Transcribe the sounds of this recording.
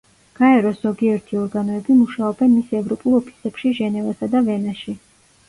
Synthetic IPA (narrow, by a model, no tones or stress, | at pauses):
ɡ̥aɛɾɔszɔɡiɛɾt̪ʰiɔɾɡanɔɛbimuʃaɔbɛnmisɛvɾɔpʼulˠɔpʰi̥sɛpʃiʒɛnɛvasad̪avɛnaʃi